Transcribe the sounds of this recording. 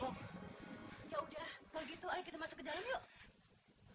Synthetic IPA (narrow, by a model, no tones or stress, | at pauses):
jaudahbəɡit̪uajakit̪amasakədalamjoʔ